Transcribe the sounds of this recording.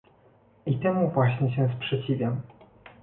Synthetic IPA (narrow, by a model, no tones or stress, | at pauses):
it̪ɛmuvwaɕɲɛɕɛ̃spʂɛt͡ɕivʲjam